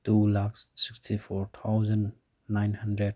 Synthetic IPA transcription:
tulakssikstʰifʰɔɾt̪ʰawzənː | ajnhandɾɛd̚

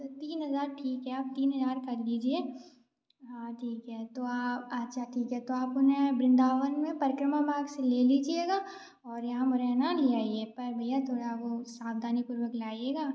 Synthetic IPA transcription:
t̪iːnɦɐzaːɾʈʰiːkɦɛaːp̚t̪iːnɦɐzaːɾkɐɾliːd͡ʒieː | ɦaʈʰiːkɦɛːt̪oaːpɐtːʃʰaʈʰiːkɦɛt̪oaːpʊnẽbɾɪ̃nd̪aːʋənmẽpɐɾɪkɾəmamaːɡseleːliːd͡ʒieːɡaː | ɔːɾjɐɦãmʊɾɛɦnaliaːieːpɐɾbʱɐjat̪ʰoːɽaʋosaːfd̪ʱaːnipʊɾwəklaːieːɡaː

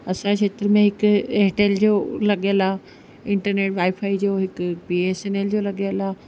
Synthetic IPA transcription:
ɐsãt͡ɕʰeːt̪ɪɾmẽɦɪkɦeːʈeld͡ʑoːlɐɠiəla | ɪ̃ɳʈəɾneːʈʋaːɪfʰaːid͡ʑoːɦɪkpiːeːseːneld͡ʑoːlɐɠiəlaː

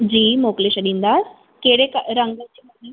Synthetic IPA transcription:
d͡ʑiːmokleɕəɗĩːnd̪a | keɽekɐɾə̃ŋɡət͡ɕemɐɾi

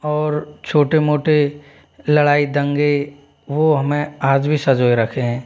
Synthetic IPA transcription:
ɔːɾt͡ʃʰoːʈemoːʈe | lɐɽaːid̪ə̃ŋɡe | ʋoɦɐmẽaːd͡ʒbʱisɐd͡ʒoːeɾɐkʰeɦɛ̃ː

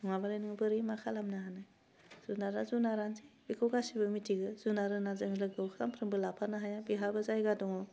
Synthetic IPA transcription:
ŋabalajnɯŋbɯɾimakʰalamnaɦanɯ | z̥unaɾazunaɾanzebikʰɯwɡasibɯmitʰiɡɯzunaɾɯnazɯŋilɯɡɯwkʰaɾampʰɾɯŋbɯlapʰanaɦajabiɦabɯzajɡadɔŋɔ

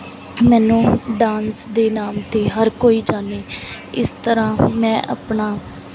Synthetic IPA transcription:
mɛ̃ːnũːɖaːnsd̪eːnaːmt̪eːɦəɾkoːiːd͡ʒaːneː | ɪ̰st̪əɾãːmɛ̃ːʔa̰ːpɳaː

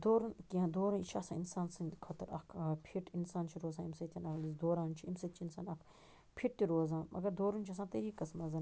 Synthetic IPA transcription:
d̪oːɾɐnkiãd̪oːɾɐnit͡ʃʰaːsãːinsaːnsɐnkʰɐt̪ɐɾɐkʰpʰiʈinsaːnt͡ʃʰiɾoːzãːimsɐt̪ʲɐnɐkʰlizd̪oːɾaːnt͡ʃʰiimsɐt̪̚t͡ʃʰiinsaːnɐkʰ | pʰiʈ̚t̪iɾoːzãːʔɐ̰ɡɐɾd̪oːɾunʲt͡ʃʰɐs̬ãːt̪ɐɾiːkɐsmɐzɐn

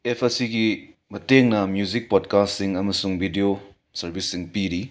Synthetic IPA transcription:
epʰesiɡi | mɐteŋnɐmjuzik̚pɔdkastsiŋɐmɐsuŋbʱidio | sɐɾbisːiŋpiɾi

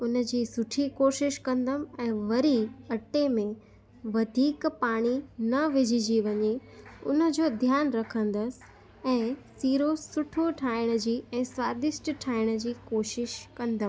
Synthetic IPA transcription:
ʊnə̆d͡ʑiːsʊʈʰikoːʃɪʃkɐ̃nd̪əmɛ̃ːʋɐɾiɐʈemẽ | ʋɐd̪ʱiːkpaːɽ̃inɐʋɪd͡ʑʱid͡ʑiʋɐɲeʊ̰nə̆d͡ʑoːd̪ʱjaːnɾɐkʰə̃nd̪əsɪ̥̆ | ɛ̃ːsiːɾosʊʈʰoʈʰaːɪɽ̃ə̆d͡ʑiːɛ̃ːswaːd̪ɪsʈʈʰaːɪɽ̃ə̆d͡ʑiːkoːʃɪʃkɐ̃nd̪əm

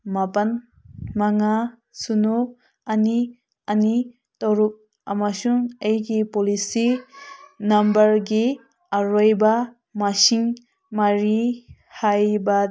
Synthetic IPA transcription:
mapan | maŋa | sunu | ani | ɐni | tawɾup̚ | a̰masuŋejɡipɔlisi | nɐmbɐɾɡi | aɾojba | masiŋ | maɾi | hajba

